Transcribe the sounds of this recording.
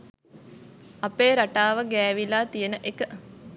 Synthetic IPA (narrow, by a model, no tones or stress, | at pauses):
apeːɾaʈaːʋəɡæːʋilaːt̪ijənəʔekə